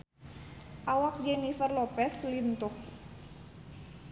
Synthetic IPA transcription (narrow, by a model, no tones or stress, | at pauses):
ʔawak̚d͡ʒɛnifərlɔpɛslint̪ʊh